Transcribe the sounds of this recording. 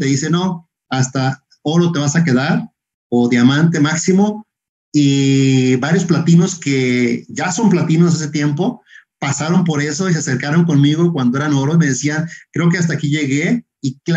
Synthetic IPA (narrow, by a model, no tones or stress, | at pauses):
eðise̞no̞ | ast̪a | o̞ɾo̞t̪e̞βasake̞ðaɾ | oðjamãnt̪e̞maksimo̞ | i | βaɾjo̞splat̪ino̞ske̞ʝaso̞mplat̪inos̬es̬et̪je̞mpo̞pasaɾo̞mpo̞ɾe̞so̞is̬e̞ase̞ɾkaɾo̞ŋko̞nmiɣo̞kwand̪o̞e̞ɾano̞ɾo̞ime̞ð̞e̞siankɾe̞o̞k̬e̞as̬t̪aːkiʝe̞ɣe | ik